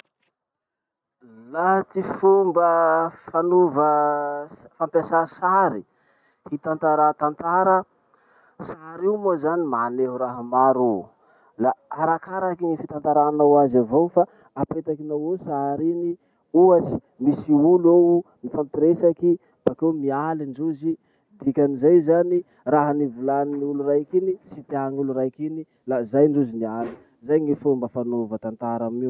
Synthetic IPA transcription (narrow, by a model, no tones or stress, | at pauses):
lat̪ifumbəfanuvə | fampʲjasasaɾi | fit̪ant̪aɾat̪ant̪aɾə | saɾiumozanimaneɦuɾaɦamaɾu | laaɾakaɾakiŋifit̪ant̪aɾanawazavowfa | apet̪akinawosaɾini | uat͡si̥ | misiuluowmifampiɾesaki | b̥akemialiɳɖ͡ʐuzi | d̪ikʲanizajzani | raɦanivulaniniulurajkinisit̪iaŋuluɾajkini | lazajɳɖ͡ʐuziniali | zajŋifumbafanovat̪ant̪aɾamiw